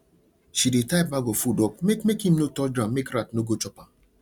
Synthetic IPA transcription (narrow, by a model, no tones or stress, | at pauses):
ʃidetapbaɡofudɔk̚mekmekim̩notɔd͡ʒɾammekɾatnoɡot͡ʃɔpa